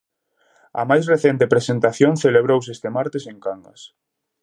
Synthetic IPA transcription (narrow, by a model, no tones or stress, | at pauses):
ɐ̰majsreθent̪epɾesent̪aθjoŋθeleβ̞ɾowsest̪emaɾt̪eseŋkaŋɡɐ̰s